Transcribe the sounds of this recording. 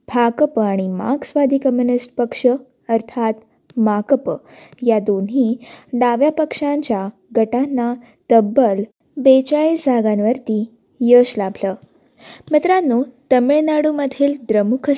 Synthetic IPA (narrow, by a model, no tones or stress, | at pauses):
bʱakəpaɽ̃ima̰ɡsʋad̪ʱikəmjunisʈpəkʂə | əɾt̪ʰat̪ | makəpə | jad̪onɦiːɖaʋjapəkʂãɲt͡ɕja | ɡəʈanːa | t̪əbəl | bet͡ɕaɭed͡zʱaɡanʋəɾt̪i | jəɕlabʱlə | mət̪ɾanːut̪əmeɭnaɽuməd̪ʱild̪ɾəmukʰə